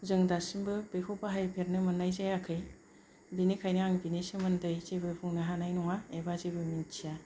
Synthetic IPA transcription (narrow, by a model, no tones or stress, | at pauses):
zɯŋdasimbɯbejkʰɔpaɦajpʰeɾnɯmɯnːajzajakʰɯj | binikʰajnɯaŋbinisɯmɯndɯjzebɯbʰuŋnɯɦanajnɔŋaebazebɯmint͡ʃʰija